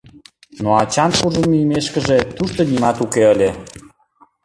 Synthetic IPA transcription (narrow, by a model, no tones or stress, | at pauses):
noɑt͡ɕɑnʃuʒənmyjmeʃkəʒet̪uʃt̪onimɑt̪ukeəlʲe